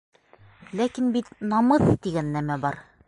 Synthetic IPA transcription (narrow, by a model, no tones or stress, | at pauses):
lækinbit̪nɒmɤθt̪iɡænːæmæbɒɾ